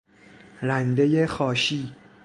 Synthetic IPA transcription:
ɾænd̪ejexɒːʃiː

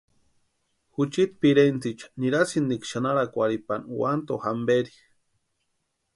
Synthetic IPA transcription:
hut͡ʃit̪̚piɾent͡s̪it͡ʃḁniɾasind̪ikʃanaɾakʷaɾipanwant̪ohambeɾi̥

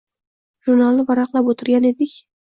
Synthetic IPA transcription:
ʒuɾnalˠnɨvɑɾɑqlˠapot̪ʰɪɾɡʲaned̪ɪkʲ

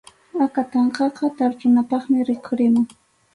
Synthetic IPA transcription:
akat̪ɑɴqɑqɑt̪aɾt͡ʃʊnapɑχmɪɾɪkʰʊɾɪmʊŋ

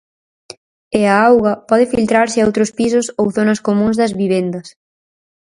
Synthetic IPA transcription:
ɪaawɣɐpɔðɪfilt̪ɾaɾsɪowt̪ɾʊspisʊsowθonɐskomũŋzðɐzβiβ̞end̪ɐs

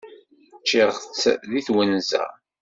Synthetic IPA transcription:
t͡ʃːɪʁt͡sːðiθwænzæ̰

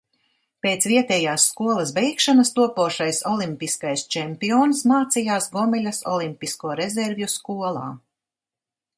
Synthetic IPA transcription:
peːt̪sviɛt̪ɛːjaːsːkuɔlˠɐsbɛjkʃanɐst̪uɔpuɔʃajsɔlˠimpiskajst͡ʃɛmpiɔːnsmaːt̪sijaːsɡɔmɛlʲɐsɔ̰lˠimpiskuɔɾezeɾvjuskuɔlˠa̰ː

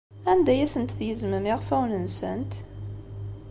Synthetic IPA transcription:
ænd̪æjæsənt̪θjəzməmiʁfæwnənsənt̪

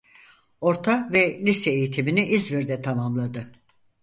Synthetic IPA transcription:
o̞ɾt̪ʰavɛlʲisɛejit̪ʰiminiʔizviɾd̪ɛt̪ʰamamlˠad̪ɯ

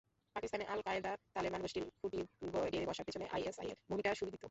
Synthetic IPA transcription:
pakist̪aneʔa̰lkajld̪at̪alibanboʃʈilkʰuʈiɡɔeɖied̪ibɔʃapit͡ɕʰoneʔa̰jesa̰jḛɾbʱumiʈaʃubid̪ʱit̪o

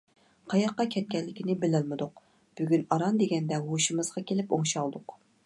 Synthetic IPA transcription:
qʰɑjɑqːɑkʲʰɛt̪̚kʲɛlːɪkʲinɪbɪlɪlmɪd̪ʊq | b̥yɡʲynɑɾɑnd̪eɡʲɛnd̪ɛwoʃɨmɨz̥ʁɑkʲʰelɪpoŋʃɑlˠd̪ʊq

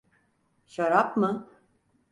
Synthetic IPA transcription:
ʃaɾapmɯ

